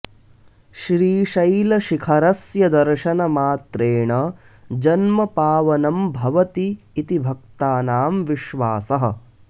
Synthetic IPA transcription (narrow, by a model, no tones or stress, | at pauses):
ʃɾiːʃɐjlɐʃikʰɐɾɐsjɐd̪ɐɾʃɐnɐmaːt̪ɾeːɳɐ | d͡ʒɐnmɐpaːʋɐnɐmbʱɐʋɐt̪iː | t̪ibʱɐk̚t̪aːnaːmʋiʃʋaːsɐɦɐ̰̆